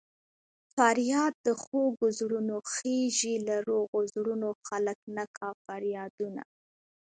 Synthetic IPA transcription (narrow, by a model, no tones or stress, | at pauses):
faɾjɑd̪̚ːəxoɡʊzɽunoxeʒilaɾoɣozɽunoxaləknakʰɑfaɾjɑd̪una̰